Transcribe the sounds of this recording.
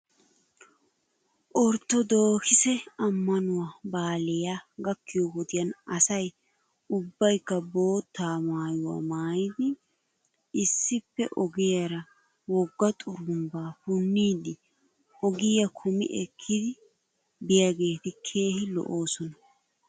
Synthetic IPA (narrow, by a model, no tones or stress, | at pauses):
ʔɔɾt̪ːɔd̪o̞ːkɪsɛɐmːɐnʊwaːbaːlɛjaɡɐkːɪjɔwɔd̪ɪjɐnɐsɐj | ʊbːɐjkːɐbo̞ːt̪ːaːmaːjʊwa̰ːmaːjɪd̪ɪ | ɪsːɪpːɛ̰ʔɔɡɪjɐɾɐ | wɔɡːɐt̪ʼʊɾʊmbaːfʊnːiːd̪ɪ | ɔɡɪjɐkʰʊmɪ̰ʔɛkʰːɪd̪ɪ | bɪjɐɡe̞ːt̪ɪkʰe̞ːhɪlɔ̰ʔoːsɔnɐ